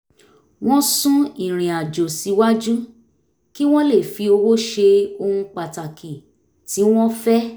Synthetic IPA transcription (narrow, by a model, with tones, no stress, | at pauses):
w̃ɔ̃˦sũ˦i˨ɾ̃ĩ˨a˨d͡ʒo˨si˨˧wa˦d͡ʒu˦ | ki˦w̃ɔ̃˦le˦˨fi˧o˧wo˦ʃe˧o˧hũ˧k͡pa˨ta˨ki˨ | ti˨˦w̃ɔ̃˦fɛ˦